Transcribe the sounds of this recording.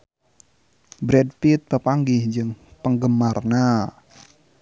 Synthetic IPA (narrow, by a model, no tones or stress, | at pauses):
bɾɛd̚pit̪̚pəpaŋɡɪhd͡ʒɨŋpəŋɡəmarna